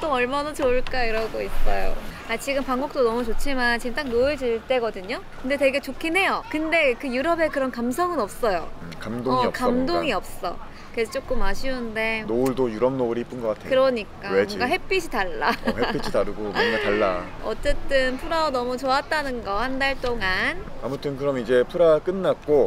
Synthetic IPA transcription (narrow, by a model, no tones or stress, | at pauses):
t͈oʌɭmanat͡ɕoɯɭk͈aiɾʌɡois͈ʌjo̰ | at͡ɕiɡɯmpaŋɡok̚t͈onʌmut͡ɕot͡ɕʰimant͡ɕint͈aŋnoɯɭt͡ɕiɭt͈e̞ɡʌdɯɲokɯnde̞te̞ɡe̞t͡ɕokʰinɦe̞jokɯnde̞kɯjuɾʌbe̞kɯɾʌnkams̬ʰʌŋɯnʌp̚s͈ʌjokamdoiʌkamdoŋiʌp̚s͈ʌ̰ | ket͡ɕ͈ok͈ɯmaɕʰiunde̞nouɭdojuɾʌm̚nouɾihip͈ɯnɡʌk͈atʰekɯɾʌɲik͈aweboŋɡaɦe̞p͈id͡ʑʰitaɭːaepid͡ʑʰitaɾɯɡomanɡataɭːa̰ | ʌ̰t͡ɕ͈e̞t͈ɯnpʰuɾaonʌmut͡ɕoat̚t͈anɯnɡʌhandaɭt͈oŋanamutʰɯnkɯɾʌmid͡ʑe̞pʰɯɾak͈ɯnːak̚k͈o